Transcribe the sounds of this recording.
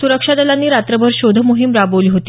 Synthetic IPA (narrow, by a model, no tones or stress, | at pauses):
suɾəkʂad̪əlanːiːɾat̪ɾəbʱəɾɕod̪ʱəmoɦimɾaboʋliːɦot̪i̥